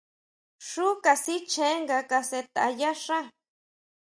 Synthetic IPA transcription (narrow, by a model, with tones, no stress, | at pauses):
ʂu˦ka˨si˦t͡ʃʰe˦ŋɡa˧ka˧se˧t̪aa˨ja˦ʂa˦